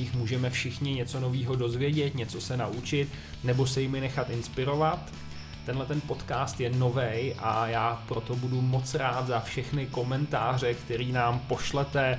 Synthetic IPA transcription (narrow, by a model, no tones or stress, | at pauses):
ɪxmuːʒɛmɛfʃɪxɲɪɲɛt͡so̞no̞viːɦo̞do̞zvjɛɟɛt̪ɲɛt͡so̞sɛnaʔut͡ʃɪt̪ | nɛbo̞sɛjɪmɪnɛxat̪ɪnspɪɾo̞vat̪ː | ɛnlɛt̪ɛnpo̞t̪kaːst̪jɛno̞vɛjʔajaːpɾo̞t̪o̞budumo̞t͡sɾaːt̪zafʃɛxnɪko̞mɛnt̪aːr̝ɛkt̪ɛɾiːnaːmpo̞ʃlɛt̪ɛ